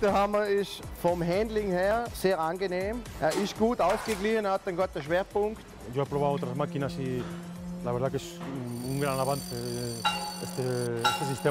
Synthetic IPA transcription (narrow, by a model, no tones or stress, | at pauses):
t̪əhamɐɪsfɔmɦɛnd̪lɪŋheːɐseːʁanɡeneːmeɐɪsɡ̥uːtaʊfɡ̥eɡlihənɐhat̪ːeŋɡɔt̪ːəʃveːɐpʊŋkt̪ | joepɾoβawot̪ɾasmakinasi | laβeɾðakesuŋɡɾanaβanθe | est̪eest̪es̬ist̪e